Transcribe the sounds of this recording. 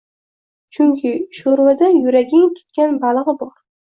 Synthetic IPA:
t͡ʃʰʊŋkʲʰɪʃoɾwad̪ajʊɾaɡʲɪŋt̪ʰʊ̥t̪̚kʲanbalˠʁɨbɒɾ

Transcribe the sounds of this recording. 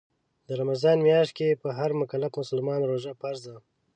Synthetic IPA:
d̪əɾamazɑːnmjɑʃt̪̚kepəɦaɾmʊkalafmʊsəlmɑnɾoʒapaɾza

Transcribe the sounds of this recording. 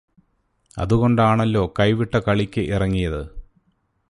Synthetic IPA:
ɐ̰ðuɣo̞ɳɖaːɳɐlːo̞ːkɐjʋiʈːɐkɐɭikʲːɨʔirɐŋːijɐðɨ

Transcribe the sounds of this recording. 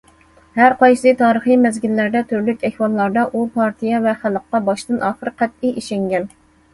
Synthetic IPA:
hæɾqɑjʃsɨt̪ʰɑːɾəχimɛzɡʲilːæɾd̪ɛt̪ʰyɾlykʲɛhʲwɑlˠːɑɾd̪ɑʔupʰɑɾt̪ʰijɛvɛχælˠəqːɑbɑʃt̪ɨnʔɑːχəɾqʰæt̪̚ɪʔiʃɛŋɡʲɛn

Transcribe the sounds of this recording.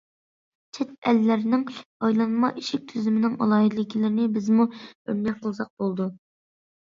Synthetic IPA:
t͡ʃʰɛt̪̚ɛlːɪɾnɪŋɑjlˠɑnmɑʔiʃɪk̚ʲt̪ʰyzymɪnɪŋɑ̰lˠɑːɦid̪lɪkʲʰilɪɾnɪbɪzmuø̰ɾnɛʃ̚qʰəlˠsɑq̚b̥olˠd̪u

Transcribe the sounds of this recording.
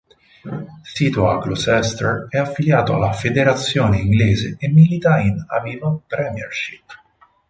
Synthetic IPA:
siːt̪oaɡlusɛst̪eɾɛafːiljaːt̪oa̰lːafed̪eɾat̪sːjoːneiŋɡleːzeemːilit̪aina̰viːvanpɾɛmjɛrʃipː

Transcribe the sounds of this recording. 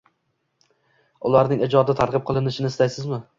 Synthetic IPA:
ʊlˠaɾnɪŋɪd͡ʒɒd̪ɪt̪ʰaɾʁɨp̚qʰɨlˠɪnɪʃɪnɪst̪ajsɪzmɪ

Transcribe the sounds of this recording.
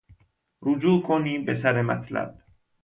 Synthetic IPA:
ɾud͡ʒuːkʰoniːbes̬æɾemæ̰t̪ʰlæ̰b̥̚

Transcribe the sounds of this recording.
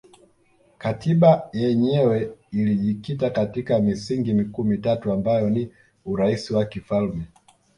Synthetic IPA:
katʰiɓajɛɲɛwɛiliʄikitakatikamisiŋɡimikuːmitatuambajɔni | uɾaisiwakifalmɛ

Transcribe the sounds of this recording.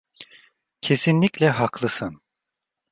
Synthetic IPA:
cʰe̞sinlʲiclʲɛɦaklˠɯsɯn

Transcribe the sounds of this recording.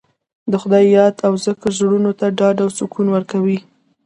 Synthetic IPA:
d̪əxʊd̪ɑjːɑd̪awzəkəɾzɽunot̪aɖɑɖawsukʰunwəɾkawi

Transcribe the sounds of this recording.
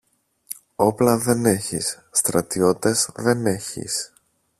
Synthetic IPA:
o̞plɐðe̞ne̞çḭsːt̪ɾɐt̪io̞t̪e̞zðe̞ne̞çḭs

